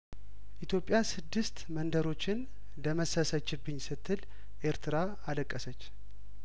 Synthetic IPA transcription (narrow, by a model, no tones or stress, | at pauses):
ʔit̪ʰjo̞pʼːjasɨd̪ːɨst̪mənd̪əɾo̞t͡ʃːɪn | d̪əməsəsət͡ʃːɪbːɨɲːsɨt̪ʰːɨl | ʔe̞ɾt̪ʰɨɾa | aləkʼːəsət͡ʃː